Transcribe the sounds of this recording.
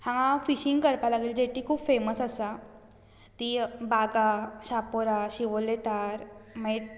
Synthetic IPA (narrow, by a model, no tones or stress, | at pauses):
hãŋãfiɕiŋɡkəɾpalaɡeld͡ʑeʈʰiːkʰuːpfeməsəsa | t̪ibaɡaɕapoɾaɕiʋolet̪aɾme